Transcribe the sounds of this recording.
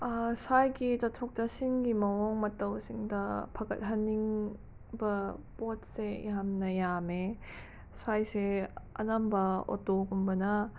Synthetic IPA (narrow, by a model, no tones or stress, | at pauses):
asʰajɡit͡ʃɔtʰɔk̚tɐsinɡimɐwɔŋmɐtːɐwsiŋdɐpʰakɐ̰t̚ɦanːiŋ | bɐpɔt̚seḭɦamnɐjame | sʰajseɐ̰nambɐɔ̰toɡumbɐnɐ